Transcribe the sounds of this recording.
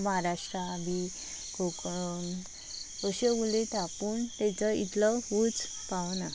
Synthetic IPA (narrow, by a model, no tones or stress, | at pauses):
məɦaɾaʂʈɾabi | ɡo | əɕeulet̪apuːnt̪ɛ̃t͡səit̪ləʋut͡s | paʋna